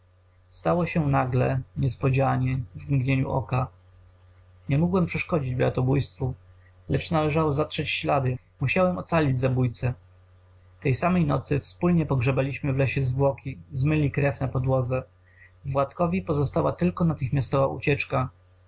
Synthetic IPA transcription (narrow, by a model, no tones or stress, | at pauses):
st̪awɔɕɛnaɡlɛɲɛspɔd͡ʑaɲɛvmɡɲeɲṵʔɔ̰ka | ɲɛmuɡwɛmpʂɛʂkɔd͡ʑid͡ʑbɾa̰t̪ɔbujst̪fu | lɛt͡ʂnalɛʐawɔzatʂɛt͡ɕɕlad̪ɘ | muɕawɛmɔt̪salʲid͡ʑzabujt̪sɛ | t̪ɛjsamɛjnɔt̪sɘfspulɲɛpɔɡʐɛbalʲiɕmɘvlɛɕɛzvwɔkʲizmɘlʲikɾɛfnapɔd̪wɔd̪zɛ | vwat̪kɔvʲipɔzɔst̪awa̰t̪ɘlkɔnat̪ɘxmʲast̪ɔvaʔṵt͡ɕɛt͡ʂka